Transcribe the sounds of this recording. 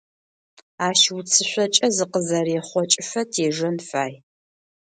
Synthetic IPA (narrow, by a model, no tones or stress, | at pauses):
aːʃwut͡sʰɨɕʷɔt͡ʃʼɐzɨqəzɐreːχʷɔt͡ʃʼɪfʷɐtʰeːʒɐnfaːj